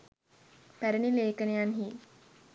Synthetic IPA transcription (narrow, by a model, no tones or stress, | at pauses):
pæɾənileːkənejanɦiː